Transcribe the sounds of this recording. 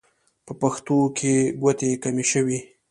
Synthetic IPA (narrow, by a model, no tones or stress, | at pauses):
pəpaxt̪okʰeɡwat̪ekameʃəwi